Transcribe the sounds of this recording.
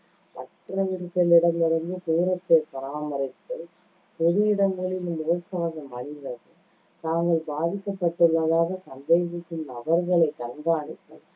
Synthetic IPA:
ʋɐ̰t̪ːɪɾɐʋɪɾkːɐlɪɽɐmɪɾɐŋɡ̪ɯk̪uːɾɐt̪ːɐpɐɾaːmɐɾɪk̪ːɪl | pʊðɪjɪɽɐmɡɐɭɪlɯmoːkːaːsɐmɐɳɪðɐðɯ | t̪aːŋɡɐɭbaːðɪkːɐpːɐʈːɪlːɐðaːɣɐsɐnd̪eːsɪkːɯnɐʋɐɾɣɐɭɐɪt̪ɐɾɡaːɳɪk̪ːɐl

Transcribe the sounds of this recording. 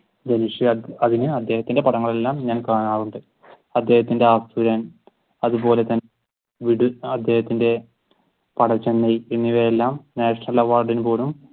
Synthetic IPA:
d̪eniʂiɐɐðinɨɐd̪ʱːe̞ːɦɐt̪ːinde̞pɐɽɐŋːɐɭe̞lːaːmɲaːnkaːɳaːɻuɳɖɨ | ɐd̪ʱːeːhɐt̪ːinde̞aːt̪uɾɐn | ɐðubo̞ːle̞t̪ɐn | ʋiɽuɐd̪ʱːe̞ːhɐt̪ːinde̞ | pɐɽɐt͡ɕːenːɐjenːiʋɐelːaːmnaːʂɐnɐlɐʋaːrɖinpoːlum

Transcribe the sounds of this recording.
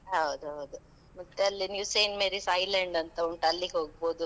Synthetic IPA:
ɦɐwd̪uɦɐwd̪u | mɐt̪ːeɐlːinjuːseːnmeɾisɐjlɐɳɖɐnt̪ɐoɳʈɐlːiɡeɦoːɡ̚bo̞ːd̪u

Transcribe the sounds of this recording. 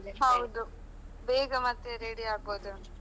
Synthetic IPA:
ɦɐwd̪u | beːɡɐmɐt̪ːeɾeɽiaːɡ̚boːd̪u

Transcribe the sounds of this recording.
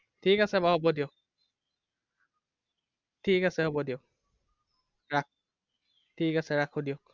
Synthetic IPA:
tʰikasɛbaɦɔbɔdiok | tʰikasɛɦɔbɔdiok̚ | ɹak̚ | tʰikasɛɹakʰodijok̚

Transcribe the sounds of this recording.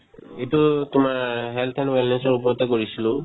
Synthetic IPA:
etʊtʊmaɹɦɛlt̪ʰɛnwɛlnɛnsɔɹup̬ɔɹɔtɛkoɹisilʊ̃

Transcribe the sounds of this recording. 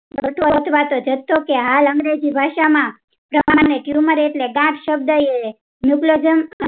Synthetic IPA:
bət̪ʰʋot̪ʰʋat̪od͡ʒət̪ːokeɦaləŋɡɾed͡ʒibʱaʃamã | pɾəaneʈjuməɾeʈleɡãʈʃəb̚d̪əje | njuklod͡ʒəmə

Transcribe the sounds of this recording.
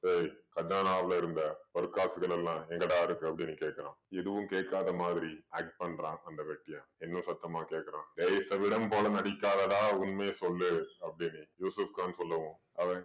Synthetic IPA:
seɾkɐd͡ʒaːnaːɐʋɐɭɐɪɾɯnd̪ɐɔɾɯkaːsɯɣɐɭɛlːãːɛŋɡɐɽaːɪɾɯkːɯɐpːɐɽɪnːɯkeːʈkːɐɾãːɛðɯʋɯ̃mkeːʈkːaːðɐmaːðɪɾiaːk̚ʈ̚pɐɳːɾãːʔɐnd̪ɐʋɐk̚ʈːɪjãːɛnːɯ̃sɐt̪ːɐmaːkeːʈkːɐɾãːdeɪsɐʋɪɽɐmpoːlɐnɐɽɪkːaːðɐðaːʊnmeːsɔlːɯɐpːɐɽɪnːɯjuːsɐfkaːnɯsɔlːɐʋʊ̃ | ɐʋɐ̃

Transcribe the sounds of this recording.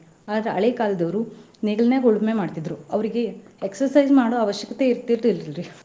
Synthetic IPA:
aːd̪ɾeɐ̰ɭekaːlɐd̪ɐʋɾu | neːɡɭɐneɡoɭume̞maːɽt̪id̪ɾuɐʋɐɾiɡe̞eksɐɾsɐjd͡ʒmaːɽoɐʋɐʃjɐkɐt̪e̞iɾt̪iɾdililɾi

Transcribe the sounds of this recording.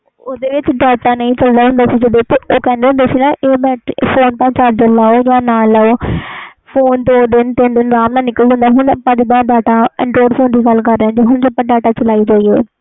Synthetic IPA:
oːd̪eːʋɪt͡ʃɖaːʈãːnəĩːt͡ʃəld̪aːɦʊ̃nd̪aːsid͡ʒəd̪eːt̪eʔoːkɛ̃ːnd̪ẽːd̪esiːnãːʔeːbɛːʈpʰoːnp̪ãːt͡ʃaɾd͡ʒəlaːoːjaːnaːlːaoː | pʰoːnd̪oːd̪ɪnt̪ɪnd̪ɪnɾaːmnãːnɪkəlid͡ʒə̃nd̪aːɦʊɳəpːãːd͡ʒed̪ãːɖaːʈãːə̰̃ɳɖoːɾpʰoːnd̪iːɡəlkəɾːɛ̃ːd͡ʒoːɦʊɳd͡ʒəpːãːɖaːʈaːt͡ʃəlaːiːd͡ʒaːiːoː

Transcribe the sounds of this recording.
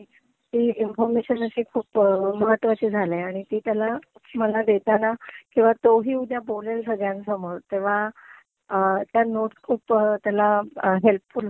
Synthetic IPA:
t̪iːinfɔɾmeɕənəɕiːkʰuːpməɦət̪ːʋat͡ɕeːd͡zʱaleaɽ̃it̪iːt̪jalaməlad̪et̪anakĩw̃ʋat̪oɦiːud̪jabolelsəɡjãnsəməɾt̪eʋ̤a | ət̪janoʈskʰuːpt̪jalaɦelp̚ful

